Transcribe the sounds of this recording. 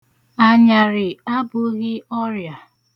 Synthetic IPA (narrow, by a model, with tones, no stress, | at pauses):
a˦ɲa˨ɾɪ˨a˦bʊ˦ɣɪ˦ɔ˦ɾja˨